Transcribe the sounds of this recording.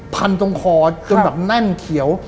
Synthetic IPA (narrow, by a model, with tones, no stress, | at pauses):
pʰa˧nt̪o˧ŋkʰɔː˧t͡ɕo˧nbɛː˨˩p̚lɛ˥˩nk̪ʰi˩˦əw